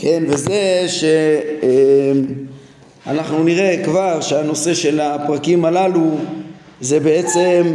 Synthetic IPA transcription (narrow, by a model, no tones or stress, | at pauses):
ke̞nvezeʃeem | anaχnuniʁe̞kvaʁʃeano̞se̞ʃe̞lapʁakimalalu | ze̞be̞et͡se̞m